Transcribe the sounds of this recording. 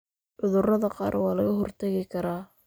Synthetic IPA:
ʔʊðʊrɐðɐqɑ̰ːɾwɑːlɐɣɐɦɔrt̪ʰɐɣɪkʰɐɾaː

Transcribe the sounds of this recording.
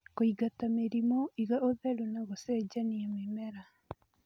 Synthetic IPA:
koiɡatameɾimoiɣaʔoðɛɾuneɣosɛːd͡ʒaniamemɛɾa

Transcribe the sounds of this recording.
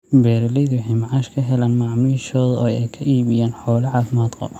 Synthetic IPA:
bɛːɾlɛðʊħɪmʕɑːʃkʰɐɦɛlaːnmɑʕmiːʃɔːðɔːjɛjkʰɐʔiːβɪjaːnħɔːlɐʕɑːfɪmaːd̪qɔ̰b

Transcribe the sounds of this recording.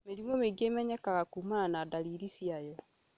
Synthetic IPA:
meɾimɔmeɡemɛɲɛkaɣakuːmananadaɾiɾisiajɔ

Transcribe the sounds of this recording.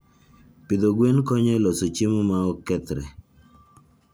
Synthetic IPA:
pid̪oɡwenkɔɲɛlɔsot͡ʃimumaɔkːɛt̪ɾɛ̰

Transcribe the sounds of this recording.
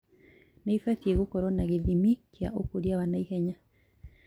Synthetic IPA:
naifaθjeɣukɔɾɔnaɣeðimikja̰ʔokoɾjawanaihɛɲa

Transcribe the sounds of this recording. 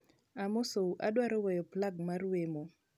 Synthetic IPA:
amosouʔadwaɾɔwɛjɔplaɡmarwemo

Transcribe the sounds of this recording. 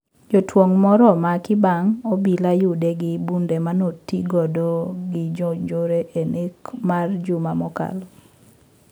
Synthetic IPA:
d͡ʒɔtwoŋmɔɾɔmakɪbaŋobilajʊdeɡɪbundemanotiɡɔdoɡɪd͡ʒod͡ʒoɾeʔenekmard͡ʒʊmamɔka̰l

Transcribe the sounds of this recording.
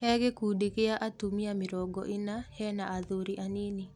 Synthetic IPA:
hɛɡekudekeaʔatumiamɪɾɔɡɔ̰ʔɪnahɛnaʔaðoɾiʔanini

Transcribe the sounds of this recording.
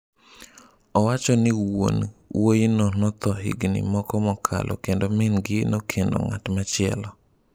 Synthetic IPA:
ɔwat͡ʃɔnɪwwo̰nwojnɔnɔt̪ɔɦḭɡnɪ̰mɔkɔmɔkʰa̰lʔɔ̰kendomɪnɡɪnokʰendɔ̰ŋa̰tmat͡ʃɪɛ̰lɔ

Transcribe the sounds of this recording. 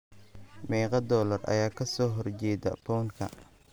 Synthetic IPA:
mɛːqɑd̪ɔːlɐrɐ̰jaːkʰɐsɔːɦɔrt͡ʃɛːd̪ɐ̰bɔːŋkʰɐ̰

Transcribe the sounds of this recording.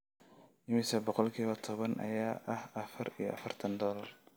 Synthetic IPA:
ɪmɪsɐbɔqɔlkʰiːβɐt̪ʰɔβɐnʔɐ̰jaːʔɐhʔɐfɐɾijɔ̰ʔɐfɐrt̪ʰɐnd̪ɔːlɐr

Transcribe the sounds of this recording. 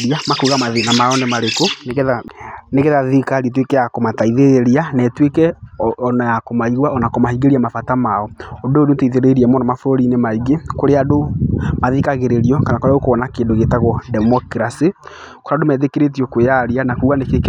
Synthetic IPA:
ɾiamakuːɣamaðenamaɔnemaɾekonaneɣeðaðikaɾiɛt̬wekɛjakomataiðeeɾianɛtwekɛɔnajakomaiɣwaɔnakɔmahiɡeɾiamafatamaɔododoteiðeɾeiɾiɛmɔnɔmafoɾoɾinemaiɡekoɾeadomaðikaɣeɾeɾiɔkanakoɾeaokoɔnakeːndoɣetaɣɔdɛmɔkɾasi | koɾadomɛðekeɾet̬iɔkwejaɾianakuːɣanekek

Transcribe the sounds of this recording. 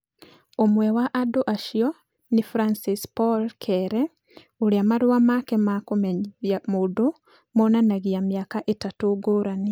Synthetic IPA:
omwɛwaʔadoʔaʃiɔ | nifɾansispɔlkʰɛɾɛ | oɾiamaɾuwamakɛmakomejamodo | monanaɣiamjakaʔetatoɡoɾani

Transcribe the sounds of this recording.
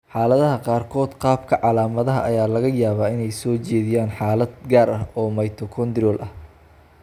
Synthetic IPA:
ħaːlɐðɐɦɐqɑːrkʰɔːd̪qɑːb̚kʰɐʕɑlaːmɐðɐɦɐ̰ʔɐjaːlɐɣɐjaːβaːɪnɛjsɔːt͡ʃɛːðɪjaːnħaːlɐd̪ɡaːɾɐɦɔːmɐjt̪ʰɔkʰɔnd̪rɔːlʔɐh

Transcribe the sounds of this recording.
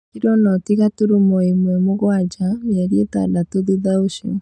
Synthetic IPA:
iɾɔnɔtiɣatuɾumɔimwɛmoɣwad͡ʒaɣɛɾjeta̰datoðiðaoʃḭ

